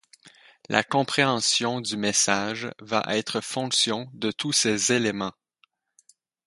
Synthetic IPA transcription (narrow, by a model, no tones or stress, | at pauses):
lʔa̰kɔ̃pχeɑ̃sjɔ̃d̪ymesaʒva̰ʔɛt̪χəfɔ̃ksjɔ̃d̪ət̪ʰusezelemɑ̃